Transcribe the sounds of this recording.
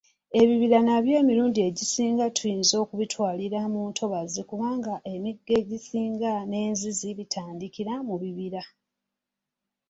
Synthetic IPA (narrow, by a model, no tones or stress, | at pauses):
e̞βiβiɾanaβje̞ːmiɾuːndie̞ɟisiːŋɡatʰujiːnzo̞ːkuβitwaːliɾamuːntʰo̞βazikuβaːŋɡaʔemiɡːe̞ɟisiːŋɡane̞ːnziziβitʰaːndikiɾamuβiβiɾa